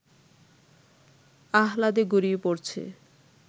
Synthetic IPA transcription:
aɦlad̪eɡuɾiepoɾt͡ɕʰḛ

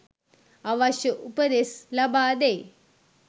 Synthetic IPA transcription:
ɐʋɐɕjɐʔupɐd̪eslɐbaːd̪e

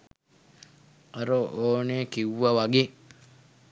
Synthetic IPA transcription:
aɾoʔoːnekiwːaʋaɡe

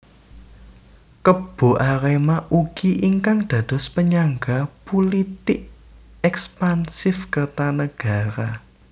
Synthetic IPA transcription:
kəb̥o̤ʔaɾemaʔuɡ̥iʔiŋkaŋd̪̥ä̤d̪̥ɔ̤spəɲaŋɡapulit̪ɪʔ | ɛkspansɪfkərt̪anəɡ̥a̤ɾa

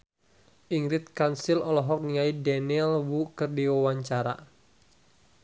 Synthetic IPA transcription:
ʔiŋɾɪt̪̚kansilɔlɔɦɔk̚niŋaidɛnilwukərdiwawaɲt͡ʃaɾa̰

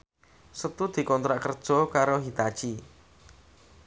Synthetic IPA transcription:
sət̪ud̪̥i̤kɔnt̪ɾaʔkərd̥ʒ̥ɔ̤kaɾoɦit̪ad̥ʒ̥i

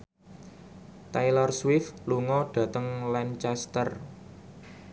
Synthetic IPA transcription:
t̪ajlɔrswɪfluŋɔɖ̥ä̤t̪əŋlɛnt͡ʃɛst̪ər

